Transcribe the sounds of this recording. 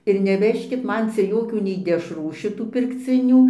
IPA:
ɪr nʲɛˈʋʲæːʃʲkʲɪt ˈmɐn ˈt͡sʲɛ ˈjoːkʲuː nʲɛɪ dʲɛʃˈruː ʃʲɪˈtuː pʲɪrkˈt͡sʲɪnʲuː

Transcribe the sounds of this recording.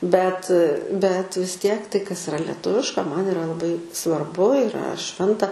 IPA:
bʲɛt bʲɛt ʋʲɪs ˈtʲiɛk ˈtɐɪ kɐs ɪˈrɐ lʲɛˈtʊʋʲɪʃkɐ ˈmɐn ɪˈrɐ lˠɐˈbɐɪ sʋɐrˈbʊ ɪˈrɐ ˈʃʲʋʲɛntɐ

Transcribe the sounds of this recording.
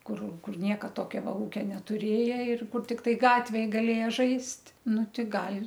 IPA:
ˈkʊr ˈkʊr ˈnʲiɛkɐ ˈtoːkʲoː ˈʋɐ ˈuːkʲɛ nʲɛtʊˈrʲeːjɛ ɪr kʊr tʲɪkˈtɐɪ ˈɡɑːtʲʋʲeːj ɡɐˈlʲeːjɛ ˈʒɐɪsʲtʲ ˈnʊ ˈtʲɪ ˈɡɐlʲ

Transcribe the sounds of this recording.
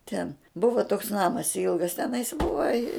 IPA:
tʲɛn ˈbʊʋɐ toːks ˈnɑːmɐs ˈɪlˠɡɐs tʲɛˈnɐɪs ˈbʊʋɐ ɪ

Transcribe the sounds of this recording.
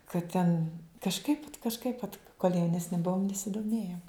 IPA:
kɐt ˈtʲɛn kɐʃˈkɐɪp kɐʃˈkɐɪp ʋɐt koːlʲ jɛʊnʲɛsʲˈnʲɪ ˈbuɔm nʲɛsʲɪdoːˈmʲeːjoːm

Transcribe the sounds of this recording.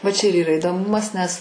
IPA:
ʋɐ t͡ʃʲɛ ɪr iːˈrɐ ɪdoːˈmʊmɐs nʲɛs

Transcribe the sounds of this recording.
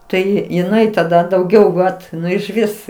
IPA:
ˈtɐɪ jɪˈnɐɪ tɐˈdɐ dɐʊˈɡʲɛʊ ˈʋɐt ˈnʊ ɪʃʲˈʋʲɪs

